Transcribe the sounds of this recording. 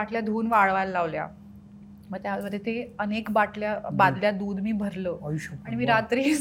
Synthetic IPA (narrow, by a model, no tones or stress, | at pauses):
aʈʰljad̪ʱoːnʋaɭʋajlːaʋlja̰ | məɡt̪jaməd̪ʱjet̪eənekbaʈʰljabad̪ljad̪uːd̪miːbʱəɾləːɕaɽ̃imiːɾat̪ɾiːs